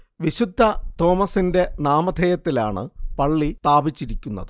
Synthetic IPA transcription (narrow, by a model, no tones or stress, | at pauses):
ʋiɕud̪ʱːɐt̪o̞ːmɐsinde̞naːmɐd̪ʱejɐt̪ːilaːɳɨ̰pɐɭːit̪aːbit͡ɕːiɾikʲːunːɐ̰ðɨ